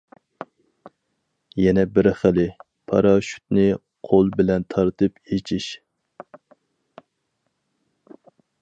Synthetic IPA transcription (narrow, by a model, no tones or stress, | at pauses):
jɛnɛbɪɾχɪlɪ | pʰɑ̰ɾɑʃy̥t̪̚nɪ | qʰolˠbɪlɛnt̪ʰɑɾt̪ʰɨpet͡ʃʰiʃ